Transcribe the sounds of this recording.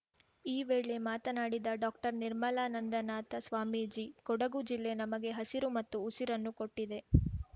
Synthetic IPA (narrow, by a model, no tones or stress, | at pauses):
iːʋeːɭe̞maːt̪ɐnaːɽid̪ɐɖaːk̚ʈɐɾniɾmɐlaːnɐnd̪ɐnaːt̪ɐsʋaːmid͡ʒikɔɽɐɡud͡ʒilːe̞nɐmɐɡe̞ɦɐsiɾumɐt̪ːuːsiɾɐnːuko̞ʈːid̪e̞